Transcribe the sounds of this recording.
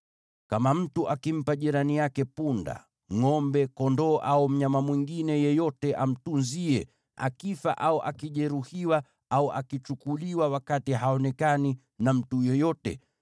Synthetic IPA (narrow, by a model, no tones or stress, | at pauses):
kamam̩tuʔakim̩paʄiɾanijakɛpunda̰ | ŋɔmbɛkɔndɔːʔaum̩ɲamamwiŋɡinɛjɛjɔtɛʔam̩tunziɛ | a̰kifa̰ʔauʔakiʄɛɾuhiwa | auʔa̰kit͡ʃukuliwawakatiɦaɔnɛkani | nam̩tujɔjɔtɛ̰